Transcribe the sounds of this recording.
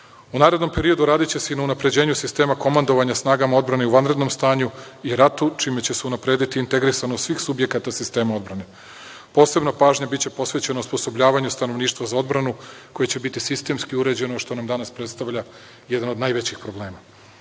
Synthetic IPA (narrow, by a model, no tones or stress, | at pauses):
unaːɾed̪no̞mpe̞ɾio̞d̪uɾaːd̪it͡ɕe̞se̞inaunapɾe̞d͡ʑe̞ːɲusist̪e̞ːmako̞mand̪o̞ʋaɲasnaːɡamao̞d̪bɾaneuʋanɾe̞d̪no̞mst̪aːɲuiɾat̪ut͡ʃiːme̞t͡ɕeseunapɾe̞ːd̪it̪iːnt̪e̞ɡɾisanosʋiːxsubje̞kat̪asist̪e̞ːmao̞d̪bɾane̞ | po̞ːse̞bnapaːʒɲabitt͡ɕe̞po̞sʋe̞t͡ɕe̞nauspo̞sobʎaːʋaɲust̪ano̞ʋniːʃt̪ʋazao̞d̪bɾanuko̞jet͡ɕebit̪isist̪e̞mskiuɾe̞d͡ʑe̞noʃt̪o̞namd̪anaspɾet̪st̪aʋʎa | jed̪anod̪naːjʋet͡ɕixpɾo̞blˠe̞ːma